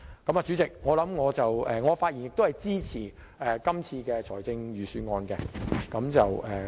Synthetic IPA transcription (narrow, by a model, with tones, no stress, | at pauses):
kɐ˨˥maː˨t͡ʃyː˨˥t͡sɪ˨k̚ŋɔː˨˧lɐ˨˥mŋɔː˨˧t͡sɐ˨wɛː˨˧ŋɔː˨˧faː˧t̚jiː˨˩njɪ˨k̚t̪o˥hɐ˨jt͡siː˥t͡sʰiː˨˩ | ɛː˨kɐ˥mt͡sʰiː˧kɛː˧t͡sʰɔː˨˩jt͡sɪ˧ŋjyː˨syː˨˧ŋɔː˧nkɛː˧kɐ˨˧˥mt͡sɐ˨wʔɛː˨